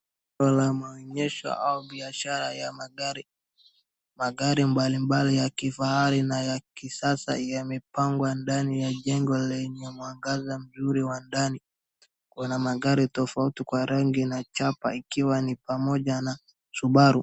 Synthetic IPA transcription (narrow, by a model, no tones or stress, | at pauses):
ɔlamaɔɲɛʃɔ̰ʔauɓiaʃaɾajamaɾi | maɠaɾimbalimbalijakifahaɾinajakisasa̰jamipaŋɡwandanijaʄɛŋɡɔlɛɲɛmwaŋɡazam̩zuɾiwandani | kunamaɠaɾitɔfautikwaɾɛŋɡinat͡ʃapa̰ikiwanipamɔʄana | suɓaɾu